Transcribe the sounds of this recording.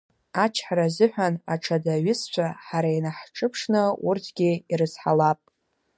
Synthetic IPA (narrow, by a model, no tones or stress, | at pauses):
at͡ʃʰħaɾazɨħʷᶣana̰ʈ͡ʂʰadaɥɪst͡ʃʷʰaħaɾainaħʈ͡ʂʼɨpʰʂnɨurtʰɡʲiiɾɨzħalapʼ